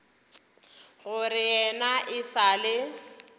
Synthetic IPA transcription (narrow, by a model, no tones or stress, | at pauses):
ɣʊrɪɛnaʔɪsalɪ